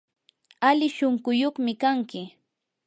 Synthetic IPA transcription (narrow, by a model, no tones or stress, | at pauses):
alɪʃoŋkʊjoχmɪkaŋkɪ